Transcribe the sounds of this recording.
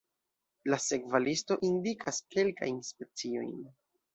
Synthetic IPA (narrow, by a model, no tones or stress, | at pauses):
lase̞kvalisto̞ʔindikʰaske̞lka̰jnspe̞t͡sio̞̰jn